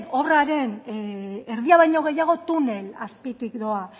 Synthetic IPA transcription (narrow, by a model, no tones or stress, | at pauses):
no̞βraɾe̞n | eɾðiaβajɲo̞ɣ̞e̞jaɣ̞o̞t̪une̞laspit̪ikd̪o̞a